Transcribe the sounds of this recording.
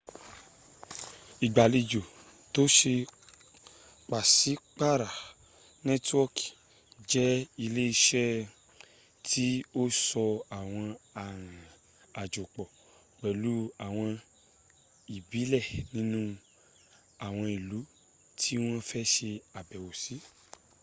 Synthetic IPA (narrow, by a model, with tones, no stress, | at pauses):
i˨ɡ͡ba˨li˧d͡ʒo˨ | to˨˦ʃe˧ | k͡pa˨si˨˦k͡pa˦˨ɾa˨ | nɛ̃˦twɔ˦k | d͡ʒɛ˦i˧le˦i˧ʃɛ˦ | tʰi˦o˦sɔ˧a˨w̃ɔ̃˧a˨ɾ̃ã˨ | a˨d͡ʒo˨k͡pɔ˨ | k͡pɛ˨lu˨˦a˨w̃ɔ̃˧ | i˨bi˨˦lɛ˦˨nĩ˨˦nũ˦ | a˨w̃ɔ̃˧i˨lu˨˦ | tʰi˦w̃ɔ̃˦fɛ˦ʃe˧a˨bɛ˨wo˨si˨˦